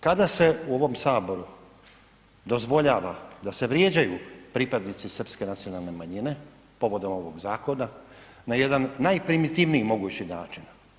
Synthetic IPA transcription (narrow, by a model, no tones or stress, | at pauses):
kad̪ase̞uo̞ʋo̞msaːbo̞ɾu | d̪o̞zʋo̞ʎaːʋa̰d̪ase̞ʋɾje̞ːd͡ʑajupɾipad̪nit̪sisr̩pske̞nat̪sio̞nalˠne̞maɲine̞ | po̞ʋo̞d̪o̞mo̞ʋo̞ɡzaːko̞na | naje̞d̪anːajpɾimit̪iʋniimo̞ɡut͡ɕina̰ːt͡ʃin